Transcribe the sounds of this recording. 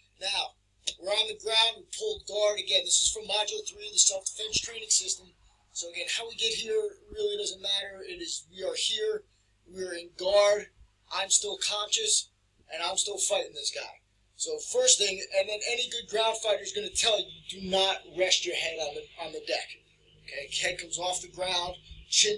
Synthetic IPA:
naʊ | wɪɹə̃nðɨɡɹãʊ̃nd̚wi̥pʰʊlˠd̚ɡɑɹɾɨɡɛ̃nðɪsɨz̥fʌ̃mɑd͡ʒl̩ˠθɹiðɨsɛʊffɪ̃nt͡ʃtʰɹ̥ẽɪ̃nɪ̃ŋsɪstə̃m̩ | soʊɨɡɛ̃nhaʊwiɡɛt̚hiɹɹɪlˠidʌz̃n̩mæɾə˞ɪɾɪzwiə˞hiɹ | wɪ˞ɪ̃nɡɑɹɾ | ʔãɪ̃mstɪlˠkʰɑ̃nʃɨs | ʔɨ̃ñãɪ̃mstɪlˠfaɪɾɪ̃ŋðɪsɡ̥aɪ | soʊfɜ˞st̪θɪ̃ŋɨ̃nðɨ̃nɛniɡʊd̚ɡɹãʊ̃nd̥faɪɾə˞zɡʌnɨtʰɛlˠjɨdɨnət̚ɹɛʃt͡ʃə˞hɛɾn̩ðɨ̃n̩ðɨdɛk | oʊkʰeɪkʰɛd̚kʰʌ̃mzɔfðɨɡɹãʊ̃nd̥t͡ʃʰɪ̃

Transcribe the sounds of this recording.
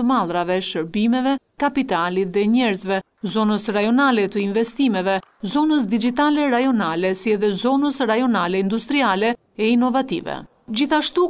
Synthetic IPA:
əmalˠɾavɛʃəɾbimɛvɛ | kapit̪alit̪ðɛɲɛɾzvɛ | zɔnəsɾajɔnalɛt̪əinvɛst̪imɛvɛzɔnəs̬d̪id͡ʒit̪alɛɾajɔnalɛsiɛðɛzɔnəsɾajɔnalɛind̪ust̪ɾialɛ | ɛinɔvat̪ḭvɛ̰ | d͡ʑiθaʃt̪u

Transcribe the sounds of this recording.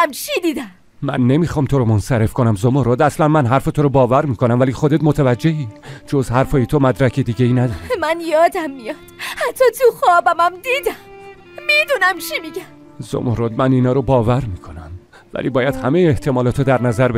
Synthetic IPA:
æmt͡ʃʰid̪iːd̪æm | mæ̰nːe̞miːxɒːmt̪ʰoɾɔmonsæɾe̞fkʰonæmzomoɾoːd̪æslænmænɦæɾfet̪ʰoɾɔbɒːvæɾmiːkʰo̞næmvæliːxod̪et̪mot̪ʰævæd͡ʒːehiːd͡ʒozhæɾfɒːjet̪ʰomæd̪ɾækʰed̪iːɟeiːnæd̪ɒːɾimænjɒːd̪æmːijɒd̥̪hæt̪ʰːɒːt̪ʰuxɒːbæmæmd̪iːd̪æm | mid̪unæmt͡ʃʰimiɡæm | zo̰moɾoːd̪̚mæniːnɒːɾɔbɒːvæɾmiːkʰo̞næm | væ̰liːbɒːjæd̪hæme̞jeːht̪ʰe̞mɒːlɒːt̪ʰod̪æɾnæzæɾbe

